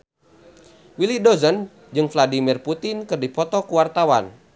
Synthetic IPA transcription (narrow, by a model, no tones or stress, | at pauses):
wilidɔzən | d͡ʒɨŋfladimirput̪inkɨrdipɔt̪ɔkuwart̪awa̰n